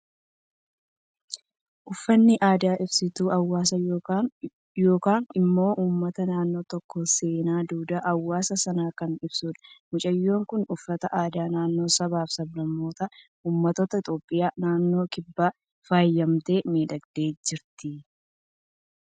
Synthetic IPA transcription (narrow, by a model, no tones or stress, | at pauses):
ʔʊfːɐnːɪʔaːd̪aːʔɪbsɪt̪uːʔɐwːaːsɐ | jo̞ːkaːnɪmːo̞ːʔuːmːɐt̪ɐnaːnːo̞ːt̪ɔkːose̞ːnaːd̪uːd̪ɐʔɐwːaːsɐsɐnaːkɐnɪb̥suᶑɐ̥mʊt͡ʃʼɐjːo̞ːŋkʊnʊfːɐt̪ɐʔaːd̪aːnaːnːo̞ːsɐbaːfsɐblɐmːo̞ːt̪ɐ | uːmːɐt̪ot̪ɐɪt̪ʼo̞ːpʼːɪjaːnaːnːo̞ːkɪbːaː | faːjːɐmt̪e̞ːmiːᶑɐɡd̪e̞ːd͡ʒɪɾt̪ɪ